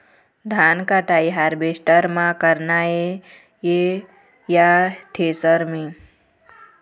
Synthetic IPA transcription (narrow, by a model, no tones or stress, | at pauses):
d̪ʱankaʈaiɦaɾbesʈəɾmãkəɾnae | je | jaʈʰeːsəɾmẽ